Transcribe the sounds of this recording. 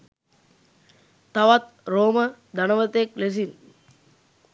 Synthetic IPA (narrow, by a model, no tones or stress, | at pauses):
t̪aʋat̪̚ | ɾoːməd̪anəʋət̪ekles̬in